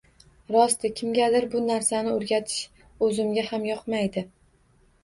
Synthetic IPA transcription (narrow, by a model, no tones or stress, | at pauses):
ɾɒst̪ɪkʲʰɪmɡʲad̪ɪɾbʊnaɾsanɪoɾɡʲat̪ʰɪ̥ʃ | ɵzɪmɡʲahamjɒqmajd̪ɪ